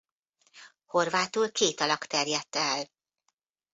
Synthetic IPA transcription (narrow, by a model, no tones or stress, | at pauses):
ho̞rvaːt̪ulkeːt̪ɒlɒkt̪ɛrjɛt̪ːɛl